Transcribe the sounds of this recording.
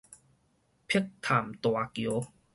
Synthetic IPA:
pʰi˦˥k̚t̪ʰaː˨˩mt̪waː˧kj

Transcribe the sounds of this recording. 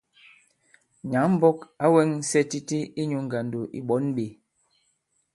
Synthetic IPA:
ɲa˨˦m̩˦bɔ˦ka˨˦wɛ˦ŋ̩˦sɛ˦ti˦ti˦i˦ɲu˨˦ŋ˨ɡa˨ndo˨ʔḭ˨ɓɔ˨˦nɓe˨

